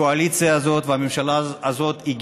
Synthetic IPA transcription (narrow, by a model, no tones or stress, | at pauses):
oalit͡sijaːzo̞t̪veamemʃalaːzo̞t̪iɡ